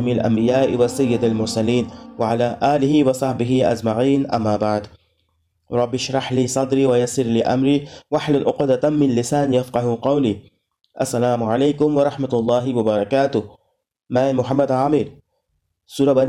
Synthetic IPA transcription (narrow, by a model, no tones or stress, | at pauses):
milʔa̰mbɪjaːʔiwɪsajːɪd̪almʊɾˤsaliːnwɪʕalaːʔaːlɪɦiwɪsˤɑħbɪɦiʔa̰zmaʕiːnʔamːabaʕd̪ | ɾˤɑbːiʃɾˤɑħliːsˤɑd̪ɾiwajasˤiɾliʔa̰mɾiwaħlanʔʊqd̪at̪aːɪnlɪsaːnjafqɑhuqɑwli | ʔasːalaːmʕaleːkʊmwɑɾˤɑħmat̪lˤːɑːɦiwɑbɑɾˤɑkaːt̪ʊ | mamʊħamːad̪ʕamiɾ | suːɾˤɑba